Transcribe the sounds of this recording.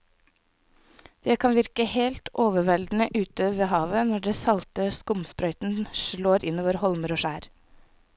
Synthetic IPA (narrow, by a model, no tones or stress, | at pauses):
d̪̥eːkʰɑnʋɪɾkəheːlt̪ʔoːʋəʋɛld̪n̩əʔʉːt̪əʋeːhɑːʋənɔɖeːsɑlt̪əskʊmspɾœʏt̪n̩ʃɭoːɾɪnoːʋəɾhɔlməɾoːʃæːɾ